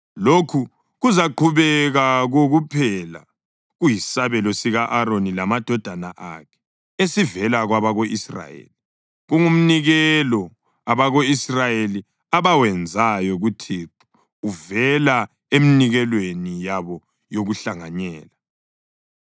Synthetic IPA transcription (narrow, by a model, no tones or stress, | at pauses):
lokʰu | ɣuzaǃʰuβɛɣaɣoɣupʰɛla̰ | ɣujisaβɛlɔsiɣaʔaɾonilamad̥ʱɔd̥ʱana̰ʔa̰kʰɛ̥ | esivɛlaɣwaβaɣoʔisra̰jḛli | ɣuŋum̩niɣɛlɔ | aβaɣoisrajeli | aβawɛnd͡zʱajɔɣutʰiǃu̥ | uvɛla | eminiɣɛlwenijaβɔ | joɣuɬaŋaɲɛːla